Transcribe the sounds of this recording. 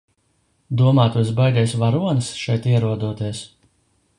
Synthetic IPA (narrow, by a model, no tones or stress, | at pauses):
d̪uɔmaːt̪uɔs̬bajd̪ʲɛjsʲvaɾuɔnɨsʃɛjt̪iɛɾuɔd̪uɔt̪iɛs